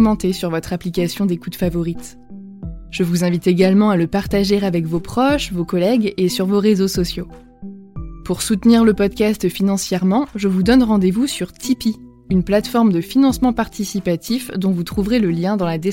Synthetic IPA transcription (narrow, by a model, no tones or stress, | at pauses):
mɑ̃t̪esyʁvɔt̪χaplikasjɔ̃d̪ekut̪favɔʁit̪ | ʒ̥əvuzɛ̃vit̪eɡalmɑ̃aləpaʁt̪aʒeʁavɛkvopχɔʃvokɔlɛɡesyʁvoʁezosɔsjo | puʁsut̪niʁləpɔd̪̚kʲast̪finɑ̃sjɛʁmɑ̃ʒəvud̪ɔnʁɑ̃d̪evusyʁt̪ʰipi | ynplat̪fɔʁmd̪əfinɑ̃smɑ̃paʁt̪isipat̪ʰifd̪ɔ̃vut̪χuvʁeləljɛ̃d̪ɑ̃lad̪e